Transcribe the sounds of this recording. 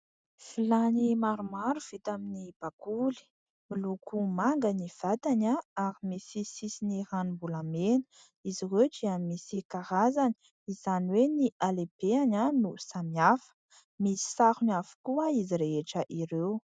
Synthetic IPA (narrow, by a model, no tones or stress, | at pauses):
filanimaɾumaɾuv̥it̪aminib̥akuli̥ | milukumaŋɡaniv̥at̪anaaɾimisisisiniɾanubulamenə̥ | iziɦeʈ͡ʂiamisikaɾazani̥ | izaniweniʔalepeananusamiafə̥ | misi̥saɾunafu̥kuaiziɾeɦeʈ͡ʂəʔiɾew